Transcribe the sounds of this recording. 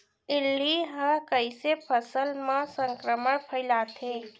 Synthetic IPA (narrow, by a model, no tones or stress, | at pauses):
ɪlːiɦəkəjsepʰəsəlmãsə̃ŋkɾəməɽpʰəɪlat̪ʰe